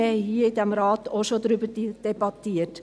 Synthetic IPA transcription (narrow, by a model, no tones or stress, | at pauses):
ɛhiːid̪ɛmɾɑːt̪oʃod̪ɾybəd̥id̥ɛbɑt̪iːət